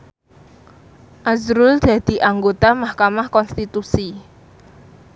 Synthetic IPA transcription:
ʔazɾuld̪̥ä̤d̪̥i̤ʔaŋɡot̪amahkamahkɔnst̪it̪usi

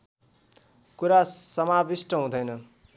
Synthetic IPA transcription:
kuɾasʌmabisʈʌɦũd̪ʌjnʌ

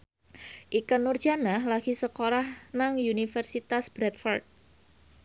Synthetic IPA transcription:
ʔikənːʊrd͡ʒanahlaɡ̥isəkoɾahnaŋjunifərsit̪asbɾɛt̪̚fɔrt̪̚

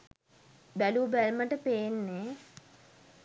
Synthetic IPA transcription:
bæluːbælməʈəpeːnːe

